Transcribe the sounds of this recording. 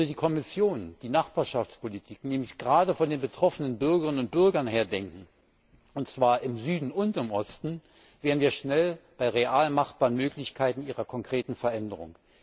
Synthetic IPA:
diːkʰɔmɪsjoːnd̥iːnaχb̥aːɐʃaft͡spolitʰiːknɛːmlɪçɡ̥əʁaːdəfɔndeːnbətʁ̥ɔfənənbʏɐɡəʁɪnənʊnt̚b̥ʏɐɡɐnɦeːɐdɛŋkŋ̩ | ʔʊntt͡sv̥aːɐʔɪmzyːdn̩ʊntɪmʔɔstn̩ | veːʁdn̩viːɐʃnɛlb̥aɪʁeʔaːlmaχtb̥aːʁənmøːklɪçkʰaɪtn̩ʔiːʁɐkʰɔŋkʁ̥eːtn̩fɛɐʔɛndəʁʊ̰ŋ

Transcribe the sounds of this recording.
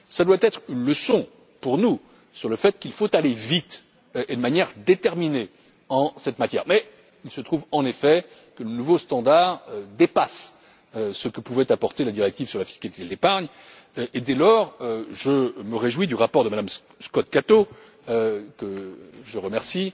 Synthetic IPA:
sad̪wat̪ɛt̪χynləsɔ̃ | puʁnu | syʁləfɛt̪̚kʲilfot̪alevit̪ | ʔed̪əmanjɛʁd̪et̪ɛʁmine | ɑ̃sɛt̪mat̪jɛ̰ʁmɛ | ilsət̪χuvɑ̃nefɛ | kələnuvost̪ɑ̃d̪aʁd̪epas | øsəkəpuvɛt̪apɔʁt̪elad̪iʁɛk̚t̪ivsyʁlafi̥skalit̪ed̪lepaʁɲ | ʔed̪ɛlɔʁʒəməʁeʒwid̪yʁapɔʁd̪əmad̪am | skɔt̪kat̪o | kəʒəʁəmɛʁsi

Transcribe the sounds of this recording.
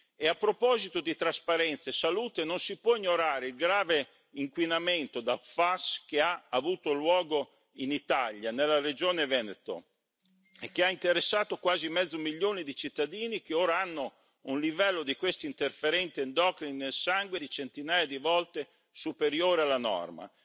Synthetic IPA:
eapːɾopɔːzit̪od̪it̪ɾaspaɾɛnt̪saesaluːt̪enonsipwɔiɲoɾaːɾeilɡɾaːve | iŋkwinament̪od̪alfaskeaːvuːt̪olwɔːɡo | init̪aʎjanelːared͡ʒoːnevɛnet̪o̰ | ek̟ːeaint̪eɾesːaːt̪okwaːzimɛd̪zːomiʎːoːnid̪it͡ʃit̪ːad̪iːnikeoːɾaanːo | unlivɛlːod̪ikwest̪oint̪erfeɾɛnt̪iend̪ɔkɾinːelsaŋɡwed̪it͡ʃent̪inaːjad̪ivɔlt̪e | supeɾjoːɾealːanɔ̰rma̰

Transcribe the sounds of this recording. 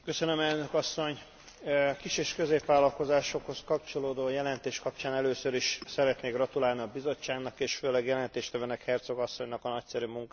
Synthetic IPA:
kø̞sønømɛlnøkɒsːo̞ɲ | kiʃeːʃkø̞zeːpʋaːlɒlko̞zaːʃo̞kho̞skɒp̚t͡ʃo̞loːd̪oːjɛlɛnt̪eːʃkɒp̚t͡ʃaːnɛløːsøɾiʃsɛɾɛt̪neːɡrɒt̪ulaːlniɒbizo̞ːaːɡnɒkeːʃføːlɛɡjɛlɛnt̪eːʃt̪ɛvøːnɛkhɛrt̪so̞ɡɒsːo̞ɲnɒkɒnɒcsɛɾymuŋkː

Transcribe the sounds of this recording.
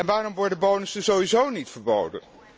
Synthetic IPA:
ɛnʋaːrɔmʋɔɹdənbownəsdəzowizownitfəɹbo̰wdə̰n

